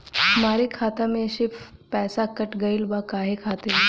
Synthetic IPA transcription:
maɾikʰat̪əmeɕippɛsakəʈɡəiːlʋakaɦekʰat̪e

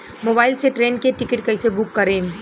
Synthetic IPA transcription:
moːbaːɪlseʈɾeːnkeʈɪkɪʈkɐɪsebʊkːɐɾẽː

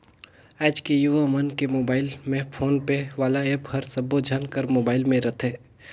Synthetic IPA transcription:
ɛːt͡ʃkejuʋamənkemoːbaːɪlmẽpʰoːnpeʋaːlaeːphɐɾsɐbod͡ʒʱənkəɾmoːbaːɪlmẽɾɐt̪ʰeː

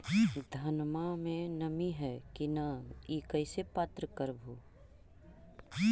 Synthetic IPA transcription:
d̪ʱɐnmamẽnɐmiɦɛkinəiːkəɪsepaːt̪ɾəkəɾbʱoː

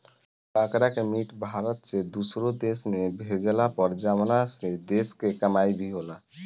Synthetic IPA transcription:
bakɾakemiʈbʱaɾət̪sed̪usɾod̪esmebʱed͡ʒlapəɾd͡ʒamnased̪eskekəmaibʱiɦola

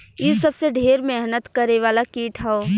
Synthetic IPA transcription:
isɐbseɖʱeːɾmeɦnət̪kɐɾeʋaːlakiːʈʰɦɛoː

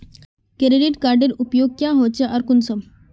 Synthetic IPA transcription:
kɾeɖiʈkaɾɖeɾupjoɡ̚kjãɦot͡ɕeʔɐɾkunsəm

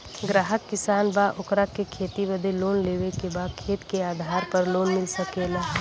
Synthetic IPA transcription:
ɡɾaɦəkːɪsaːnbaːʔʊkɾakːekʰeːt̪iʋɐd̪eloːnleːʋekebaːd̪kʰeːt̪keaːd̪ʱaːɾpɐɾloːnmɪlsɐkeːlaː

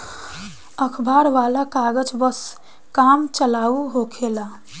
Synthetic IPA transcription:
əkʰbʱaɾʋalakaɡəd͡ʒbəs | kamt͡ʃəlauɦokʰela

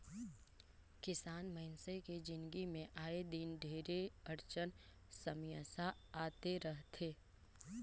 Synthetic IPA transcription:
kɪsaːnməɪnseked͡ʒɪ̃nɡimẽʔaːed̪ɪnɖʱeːɾeɐɾt͡ʃən | sɐmijəsaaːt̪eɾəɦt̪ʰeː

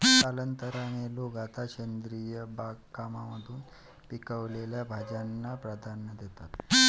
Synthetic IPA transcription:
palənt̪əɾañeloɡat̪aɕend̪ɾijəbaɡkamaməd̪ʱuːn | pikəʋleljabʱad͡ʑanːapɾad̪ʱanəd̪et̪at̪

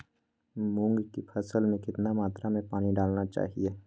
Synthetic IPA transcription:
mʊ̃ŋɡkipʰɐsəlmẽkɪt̪namaːt̪ɾamẽpaːniɖaːlnat͡ʃa̰ːɦieː

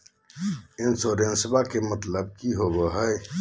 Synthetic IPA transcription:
ɪnsoɾẽnsɪbakemɐt̪ləb̚kiɦoboɦəj

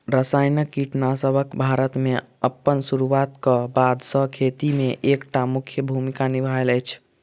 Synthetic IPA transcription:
ɾəsajnəkːiʈnasəbʱəkbʱaɾət̪me | əpːənsuɾuat̪kəbad̪ʱsə̃kʰet̪imeʔekʈamukʰjəbʱumikanibʱaeləjt͡ʃʰ

